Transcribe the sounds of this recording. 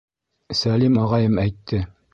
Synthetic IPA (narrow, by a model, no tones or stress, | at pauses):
sælimɑʁɑjɤmæjt̪ʰːɘ